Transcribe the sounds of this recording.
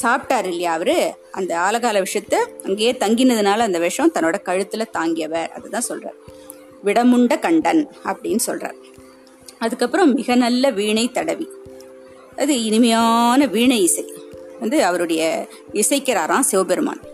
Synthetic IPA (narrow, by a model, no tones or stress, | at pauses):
saːp̚ʈaːɾɪlːɐjaːɐʋɐɾɯ | ɐ̰nd̪ɐaːlɐɣaːlɐʋɪʂɐt̪ːɯɐŋɡeːeːt̪ɐŋɡɪnɐðɯnaːlɐːnd̪ɐʋɛʂɐ̃t̪ɐnːoːɽɐkɐɻɯt̪ːɯlɐt̪aːŋɡɪjɐʋɐɾɐ̰ðɐt̪ːãːsɔlra̰ːɾ | ʋɪɽɐmʊɳɖɐkɐɳɖɐnɐpːɐɽɪnːɯsɔ̰lra̰ːɾ | ɐðɯkːɐpːɯɾɐ̃mɪɣɐnɐlːɐʋiːɳɐɪt̪ːɐɽɐʋi | ɐðɯɪnɯmɐjaːnɐʋiːɳɐɪɪsɐɪʋɐnd̪ɯɐʋɐɾɯɽɐjɐ | ɪsɐɪkːɪɾaːɾãːsɛʋbɛɾɯma̰ːn